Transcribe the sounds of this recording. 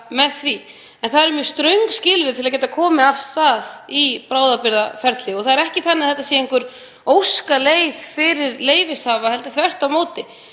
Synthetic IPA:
mɛðθvi | ɛnθaðɛɾmjʏst̪ɾœɥŋkscɪːlʏɾɪt̪ʰɪlacɛːt̪akʰɔːmɪafst̪θaðipɾaːwðapɪɾðafɛɾt̪lɪɔθaðɛɾɛhcɪθanːɪθɛht̪asjɛɪŋkvʏɾ̥ | owskaleːjðfɪɾɪɾleːjvɪshaːvahɛlt̪ʏθvɛr̥t̪awmoːwt̪ɪ

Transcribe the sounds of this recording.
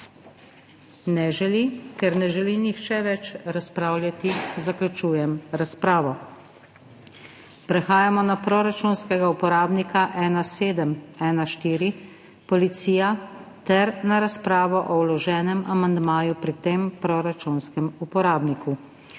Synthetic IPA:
nɛʒɛlikɛɾnɛʒɛlinixt͡ʃɛʋɛt͡ʃɾaspɾaːwlʲjat̪izaklʲut͡ʃuːjɛmɾaspɾaːʋɔ | pɾɛxaːjamɔnapɾɔɾat͡ʃunskɛɡaupɔɾaːbnikaʔɛːnaseːd̪əmɛːnaʃt̪iːɾi | pɔlit̪siːjat̪ɛɾnaɾaspɾaːʋɔʔɔwlɔʒɛːnɛmamand̪maːjupɾit̪empɾɔɾat͡ʃunskɛmupɔɾaːbnikʰu

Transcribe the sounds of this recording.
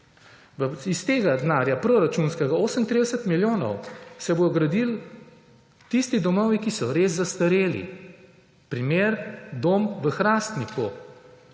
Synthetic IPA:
ʋəist̪eːɡad̪naːɾjapɾoɾat͡ʃunskɛɡaoːsəmnt̪ɾid̪əsət̪miljoːnɔ̰wsɛbod̪ɔɡɾad̪il | t̪ist̪id̪ɔmɔʋikisɔɾeːsːast̪ɐɾeːlḭ | pɾimeːɾd̪oːmʋəxɾaːst̪niku

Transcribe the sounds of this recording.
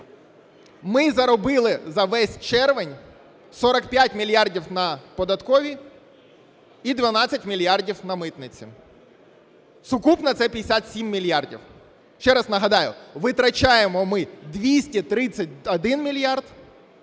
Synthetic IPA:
mɪzɐɾɔbɪlˠɪzɐʋɛsʲt͡ʃɛrʋɪnʲ | sɔɾɐkpʲjatʲmʲilʲjardʲiwnɐpɔd̪ɐt̪kɔʋʲi | id̪ʋɐnɑt͡sʲɐtʲmʲilʲjardʲiwnɐmɪt̪nɪt͡sʲḭ | sʊkupnɐt̪sɛpʲijd̪esʲat̪sʲimːʲilʲjardʲḭw | ʃt͡ʃɛɾɐznɐɦɐd̪ɑjʊ̰ʋɪt̪ɾɐt͡ʃajemɔmɪd̪ʋʲisʲtʲit̪ɾɪt͡sʲːɐt̚ʲɔd̪ɪnmʲilʲjɑrd̪

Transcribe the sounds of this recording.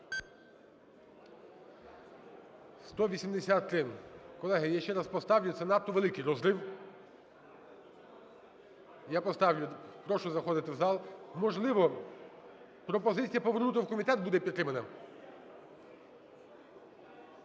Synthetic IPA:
st̪ɔʋʲisʲimd̪esʲat̪ːɾɪkɔlˠɛɦɪjaʃt͡ʃɛɾaspɔst̪ɑʋlʲʊt̪sʲɛnɑt̪ːɔʋelˠɪkɪjɾɔzɾɪw | japɔst̪ɑwlʲʊpɾɔʃʊzɐxɔd̪ɪt̪ɪwzɑlˠmɔʒlˠɪʋɔ | pɾɔpɔzɪt͡sʲijɐpɔʋeɾnut̪ɪwkɔmʲit̪ɛt̪̚bud̪ɛpʲit̪t̪ːɾɪmɐnɐ

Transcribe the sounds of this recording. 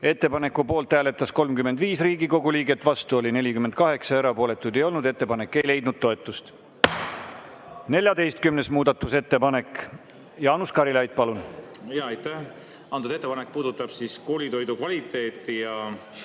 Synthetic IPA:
e̞t̪ːe̞pɑne̞kːˑupo̞ːlt̪ːhæːle̞t̪ːˑɑsko̞lmkymed̪viːsriːɡiko̞ɡuliːɡe̞t̪ːˑvɑst̪uo̞lʲine̞lʲikymend̪̥̚kɑɦe̞ksɑeɾɑpo̞ːlet̪ːˑujd̪̥e̞jo̞lnud̪e̞t̪ːe̞pɑne̞kːˑe̞jle̞jd̪nud̪̥̚t̪ːo̞e̞t̪ːˑust̪ | ne̞lʲjɑd̪e̞jst̪̚kymne̞smuːd̪̥ɑt̪ːˑuse̞t̪ːe̞pɑne̞k | jɑːnuskɑɾilɑjd̪̥̚pɑlunjɑɑjt̪ːæh | ɑnud̪et̪ːepɑnek̚puːd̪ut̪ˑːɑb̥siskoːlit̪o̞jd̪ukvɑlit̪ːˑe̞ːt̪ːˑijɑ

